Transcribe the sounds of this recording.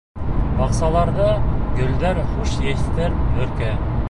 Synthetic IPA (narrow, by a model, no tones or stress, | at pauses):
bɑqsɑlˠɑɾðɤɡɵ̆ld̪æɾχuʃjæɕt̪ɘɾɵ̆ɾkæ